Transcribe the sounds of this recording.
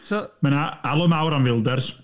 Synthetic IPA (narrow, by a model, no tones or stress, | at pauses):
mənaalˠɔmawɾanvɪlˠdɛrs